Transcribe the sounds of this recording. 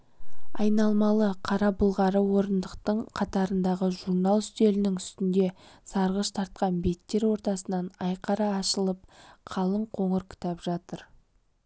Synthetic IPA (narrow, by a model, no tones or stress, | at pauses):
ɑjnɑlˠmɑlˠəqʰɑɾɑbʊlˠʁɑɾəwo̞ɾənd̪əqt̪əɴqʰɑt̪ɑɾənd̪ɑʁəʒuɾnalˠst̪e̞lɪnɪŋʏst̪ɪnd̪e̞sɑɾʁəʃt̪ʰɑɾt̪̚qɑnbe̞t̪ːe̞ɾwo̞ɾt̪ɑsənɑnɑjqʰɑɾɑːʃəlˠəp̚qʰɑlˠəɴqʰo̞ɴəɾkʰɪ̥t̪ɑpʒɑt̪əɾ